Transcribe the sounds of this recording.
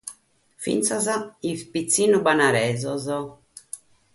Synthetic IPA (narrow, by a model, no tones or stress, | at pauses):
fḭnt̪sazaispit̪sːiːnubanaɾɛːzɔzɔ